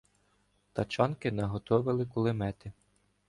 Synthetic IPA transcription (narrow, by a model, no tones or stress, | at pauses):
t̪ɐt͡ʃɑnkɪnɐɦɔt̪ɔʋɪlˠɪkʊlˠɪmɛt̪ɪ